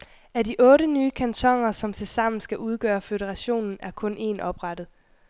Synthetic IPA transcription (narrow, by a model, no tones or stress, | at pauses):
æɐdiʔɔ̽ːɾənyːkʰænt͡sʰɒ̽ŋ̰ɐsɒ̽mt͡sʰe̝lsɑ̈m̰n̩sɡ̥æʔuð̞ˠɡ̥ɶːɐføɾəʁɑ̈ɕo̝̰ːnn̩æɐkʰɔ̽nʔe̝̰ːnʔɒ̽b̥ʁɑd̥ð̩ˠ